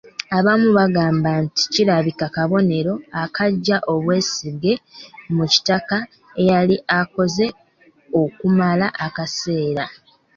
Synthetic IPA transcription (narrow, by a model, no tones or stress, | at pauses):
aβamuβaɡaːmbanti̥ciɾaβikakaβo̞ne̞ɾo̞akaɟːaʔo̞βwe̞ːsiɡe̞muci̥taka | e̞jaliako̞ze̞ | o̞kumalaʔakase̞ːɾa